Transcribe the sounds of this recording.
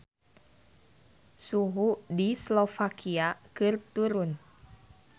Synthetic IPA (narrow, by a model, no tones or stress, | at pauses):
suɦudislofakʰiakɨrt̪uɾʊn